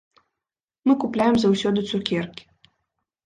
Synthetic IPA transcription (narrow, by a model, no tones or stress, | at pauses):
mɨkuplʲajɛmzawsʲɔd̪ɨt̪sukʲɛrkʲi̥